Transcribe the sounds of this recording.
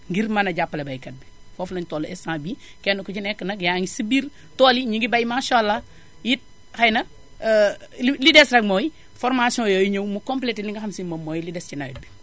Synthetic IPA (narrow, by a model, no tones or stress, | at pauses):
ŋɡiɾmɐnɐɟapːɐlɐbɐjkɐt̚bi | fɔflɐɲtɔːlɛsãːbiː | kɛnːukut͡ʃinɛkːənɐkjaːŋisibiɾ | tɔːliɲiɡibɐjmaʃɔlːa | jit̚ | xɐjnɐ | lilidɛsɾɐkmɔːji | fɔɾmasijɔ̃ːjoːjiɲɐwmukɔmplɛtiliŋɡɐxɐmsimɐmːɔːjilidɛscinɐɡ̚bi